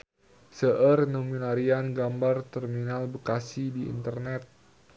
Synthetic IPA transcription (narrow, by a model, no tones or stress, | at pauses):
səʔərnomilaɾianɡambart̪ərminalbəkasidiḭnt̪ərnɛt̪̚